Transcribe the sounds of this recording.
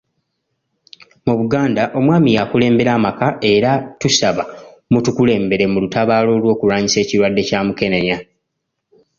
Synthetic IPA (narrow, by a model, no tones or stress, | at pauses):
muβuɡaːndaʔo̞mwaːmijakule̞ːmbe̞ɾaːmakaʔe̞ɾatusaβamutukule̞ːmbe̞ɾe̞mulutaβaːlo̞ːlwo̞ːkuɾwaːɲise̞ːciɾwadːe̞caːmuke̞ne̞ɲa